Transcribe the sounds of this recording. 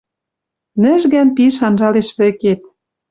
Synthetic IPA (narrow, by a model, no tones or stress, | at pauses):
nɘ̆ʒɣænpiʃ̬ɑnʒɑleʃβɘ̆ket̪̚